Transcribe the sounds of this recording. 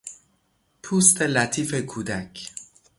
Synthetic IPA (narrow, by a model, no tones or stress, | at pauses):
pʰuːst̪ʰelæt̪ʰiːfekʰuːd̪ækʰ